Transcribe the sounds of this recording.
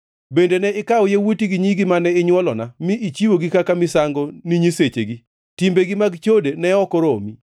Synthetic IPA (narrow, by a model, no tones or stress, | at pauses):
bendenɛɪkawjewutiɡiɲiɡimanɛɪɲwɔlɔnamɪʔit͡ʃiwoɡikakamɪsaŋɡoniɲiset͡ʃeɡi | timbeɡimaɡt͡ʃodenɛɔkɔɾomi